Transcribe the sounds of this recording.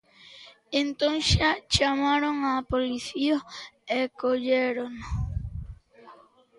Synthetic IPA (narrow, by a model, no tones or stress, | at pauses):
ent̪õŋʃat͡ʃamaɾoŋapoliθioekoʎeɾono